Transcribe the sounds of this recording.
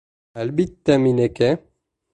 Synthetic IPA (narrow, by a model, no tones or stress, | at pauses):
albit̪ːamineke